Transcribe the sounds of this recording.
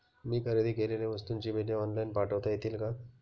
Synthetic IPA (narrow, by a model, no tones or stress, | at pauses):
miːkʰəɾed̪iɡeleleʋəst̪unt͡ɕibʱeɖijoɔnlajnpaʈəʋt̪aet̪iːlkã